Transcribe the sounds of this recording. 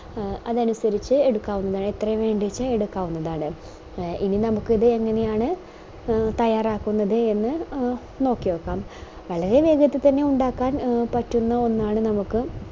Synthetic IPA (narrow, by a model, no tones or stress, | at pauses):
ɐðɐnusɐɾit͡ɕːɨe̞ɽukːaːʋunːɐðaːɳet̪ːrɐʋe̞ːɳɖit͡ɕːɨe̞ɽukːaːʋunːɐðaːɳɨ | ʔininɐmukːiðɨe̞ŋːɐne̞jaːɳɨ | t̪ɐjaːraːkːunːɐðɨe̞nːɨ | no̞ːkːiʋoːkːaːm | ʋɐɭɐɾe̞ʋe̞ːɡɐt̪ːɨt̪ɐnːe̞uɳɖaːkːaːnpɐtːunːɐo̞nːaːɳɨnɐmukːɨ